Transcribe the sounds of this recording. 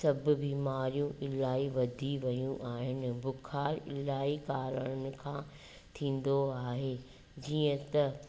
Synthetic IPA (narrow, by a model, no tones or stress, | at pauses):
sɐbʊ̆biːmaːɾijũʔɪlaːiʋɐd̪ʱiʋɐjũʔaːɦɪnɪ̆bʊkʰaːɾɪ̰laːikaːɾəɽ̃ənɪ̆kʰãː | t̪ʰĩːnd̪oaːɦeː | d͡ʑiːə̃t̪ɐ